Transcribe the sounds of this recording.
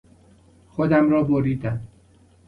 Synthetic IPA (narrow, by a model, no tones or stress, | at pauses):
xod̪æmɾɒːboɾiːd̪æm